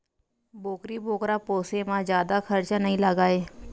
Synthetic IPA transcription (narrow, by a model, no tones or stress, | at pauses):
boːkɾiboːkɾapoːsemãd͡ʒjaːd̪axʰəɾt͡ʃanəɦĩlaɡaːeː